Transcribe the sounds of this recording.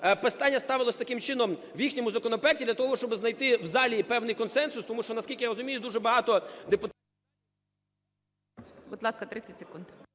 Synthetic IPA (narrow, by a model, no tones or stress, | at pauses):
pest̪ɑnʲːɐst̪ɑʋɪlˠɔsʲt̪ɐkɪmt͡ʃɪnɔm | ʋjixnʲɔmʊzɐkɔnɔpɔɛk̚tʲid̪lʲɐt̪ɔɦɔɦɔʃt͡ʃɔbɪznɐjt̪ɪwzɑlʲipɛwnɪjkɔnsɛnsʊst̪ɔmuʃt͡ʃɔnɐskʲilʲkɪjaɾɔzʊmʲijʊd̪uʒɛbɐɦɑt̪ɔd̪epʊt̪ | bɔd̪lˠɑskɐt̪ɾɪt͡sʲɐtʲsʲe̥kund̪